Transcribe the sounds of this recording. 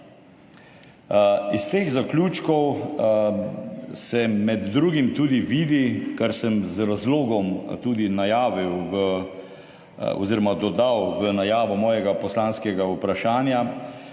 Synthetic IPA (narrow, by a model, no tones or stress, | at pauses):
ist̪eːɣzaklʲuːt͡ʃkɔw | sɛmɛd̪ːɾuːɡimt̪uːd̪iʋiːd̪ikaɾsɛmzɾazloːɡɔmt̪uːd̪inajaːʋiwʋə | ɔ̰ziːɾɔmad̪ɔd̪awʋənajaːʋɔmɔːjɛɡapɔslaːnskɛɡaupɾaʃaːnja